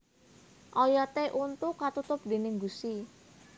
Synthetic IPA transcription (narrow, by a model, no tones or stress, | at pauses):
ʔɔjɔt̪eʔunt̪ukat̪ut̪ʊp̚d̪e̤nɪŋɡust̪i